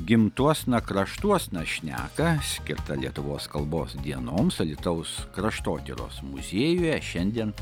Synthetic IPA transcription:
ɡʲɪmt̪uɔsnɐkɾɐʃt̪uɔsnɐʃʲnʲæ̰ːkɐsʲkʲɪɾt̪ɐlʲiɛt̪ʊʋoːskɐlˠboːsd̪ʲiɛnoːmsɐlʲɪt̪ɐʊskɾɐʃt̪oːt̪ʲɪɾo̰ːsmʊzʲeːjuːjɛʃʲɛnʲd̪ʲiɛn

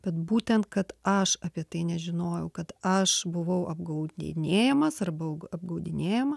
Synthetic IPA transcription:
b̥ʲɛt̪buːt̪ʲɛnt̪kɐt̪ɐʃɐpʲiɛt̪ɐɪnʲɛʒʲɪnoːjɛʊkɐt̪ɐʃbʊʋɐʊʔɐb̚ɡɐʊḭnʲeːjɛmɐsɐrbɐʊɐb̚ɡɐʊd̪ʲɪnʲeːjɛmɐ

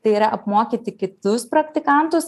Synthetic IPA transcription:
t̪ɐɪiːɾɐʔɐpmoːkʲiːt̪ʲɪkʲɪt̪ʊspɾɐkt̪ʲɪkɐˑnt̪ʊs

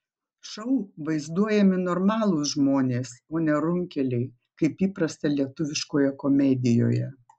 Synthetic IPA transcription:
ʃɐʊʋɐɪzd̪uɔjɛmʲɪnɔːɾmɑːlˠʊsʒmoːnʲeːsoːnʲɛɾʊŋʲkʲɛlʲɛɪ | kɐɪpiːpɾɐsʲt̪ɐlʲiɛt̪ʊʋʲɪʃkoːjɛkomʲɛd̪ʲɪjo̰ːjɛ

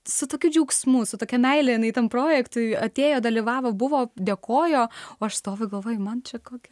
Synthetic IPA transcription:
sʊt̪oːkʲud͡ʒʲuːksmusʊt̪oːkʲɛmʲɛɪlʲɛjɪnɐɪt̪ɐnpɾoːjɛkt̪ʊɪɐt̪ʲeːjoːd̪ɐlʲiːʋɑːʋoːbʊʋoːd̪ʲeːkoːjoːoːɐʃst̪oːʋʲʊɪɡɐlˠʋoːjʊmɐnt͡ʃʲɛkoːkʲɪ

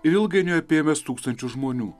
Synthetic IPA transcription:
ɪɾɪlˠɡʲɐɪnʲoːjɛpʲeːmʲɛst̪uːkst̪ɐnʲt͡ʃʲʊʒmoːnʲuː

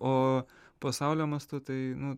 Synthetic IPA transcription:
oː | pɐsɑʊlʲoːmɐst̪ʊt̪ɐɪnʊ

